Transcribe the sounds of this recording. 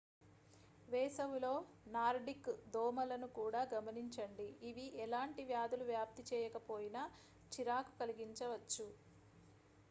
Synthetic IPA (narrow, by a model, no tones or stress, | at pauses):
ʋɛːsɐwulo̞ː | naːɾɖikd̪oːmɐlɐnukuːɽaːɡɐmɐniɲt͡ʃɐɳɖiːʋiʔɛlaːɳʈiʋjaːd̪uluʋjaːp̚t̪it͡ʃɛːjɐkɐpo̞ːjinɐ | t͡ʃiɾaːku̥kɐliɡiɲt͡ʃɐʋɐt͡ʃːu